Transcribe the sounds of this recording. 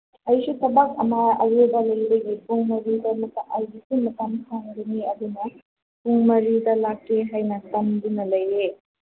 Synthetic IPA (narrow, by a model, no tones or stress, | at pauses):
ɐjsutʰɐbak̚ɐmɐɐ̰ɡebɐlɐjbɐɡipuŋmɐɾidɐmɐk̚t̪ɐʔajɡisinmɐt̪ɐmkʰaŋdɐniɐd̪unɐ | puŋmɐɾidɐlakːeɦajnɐtɐmd̪unɐlɐjːe